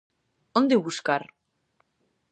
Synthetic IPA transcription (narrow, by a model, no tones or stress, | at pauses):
ond̪eβuskaɾ